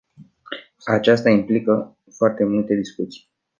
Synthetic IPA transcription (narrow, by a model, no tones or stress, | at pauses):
at͡ʃast̪aimplikə | foart̪e̞mult̪e̞d̪iskut̪si̥j